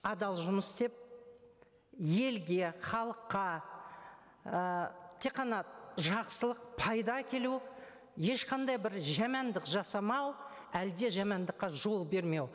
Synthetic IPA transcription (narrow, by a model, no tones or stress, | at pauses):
ɑd̪ɑlˠʒʊməsd̪e̞p̚ | je̞lɡʲe̞χɑlˠəqːɑ | t̪ʰe̞qːɑnɑʒɑqsəlˠəq̚pʰɑjd̪ɑkʲʰe̞lu | je̞ʃqɑnd̪ɑjbɪɾʒæmɑnd̪ɪqʒɑsɑmɑw | æld̪e̞ʒæmɑnd̪əqːɑʒo̞lˠbe̞ɾme̞w